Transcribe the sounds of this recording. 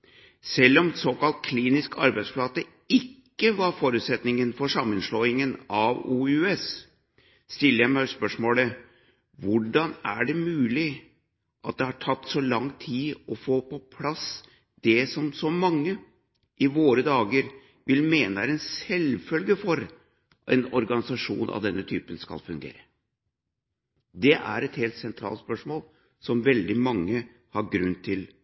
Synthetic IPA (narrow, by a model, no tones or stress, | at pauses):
sɛlːɔmsoːkɑlt̪̚kʰliːnɪskʰɑ̰ɾbæɪsplɑt̪ə | ɪkːəʋɑɾfoːɾʉːt̪sɛt̪nɪŋənfɔʂɑmːənslɔːɪŋənɑʋuːʉɛs | st̪ɪlːəjæɪmæɪspœʂmoːlə | ʋʊɖɑnæɖɛmʉːlɪ | ʔɑt̪̚d̪ɛhɑʈʰɑt̪ːsɔlɑŋt̪ʰiːɔfoːpʰɔpʰlɑs | d̪̥ɛsɔmsɔmɑŋːə | ʔɪʋoːɾəd̪ɑːɡəɾ | ʋɪlmeːnəɾɛnsɛlfœlɡəfɔɾ | ʔɛ̰nɔɾɡɑnɪsɑʂṵːnʔɑ̰ʋd̪ɛnːət̪ʰyːpənskɑ̰lfʉŋɡḛːɾə | d̪ɛʔæ̰ɾɛt̪heːlt̪sɛnt̪ʰɾɑ̰ːlt̪spœʂmoːl | sɔmʋɛld̪ɪmɑŋːə | hɑɾɡɾʉnt̪ʰɪl